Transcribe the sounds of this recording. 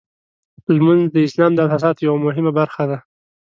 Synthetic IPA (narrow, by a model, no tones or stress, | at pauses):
lmanzd̪əɪslɑmd̪əalsas̬ɑt̪jawamʊɦɪmabaɾxad̪a